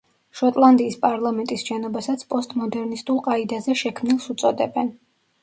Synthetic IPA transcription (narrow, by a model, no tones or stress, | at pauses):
ʃɔt̪ʼlˠand̪iːspʼaɾlˠamɛnt̪ʼisʃɛnɔbasat̪sʰpʼɔst̪ʼmɔd̪ɛɾnist̪ʼulˠqʼaid̪azɛʃɛkʰmnilˠsut̪sʼɔd̪ɛbɛn